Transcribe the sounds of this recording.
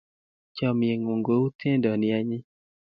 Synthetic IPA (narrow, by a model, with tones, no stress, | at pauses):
t͡ʃɔ˨m˨e˨ŋo˨ŋɡo˨˦u˦tʰe˦ndɔ˨nɪ˨a˨ɲɪ˦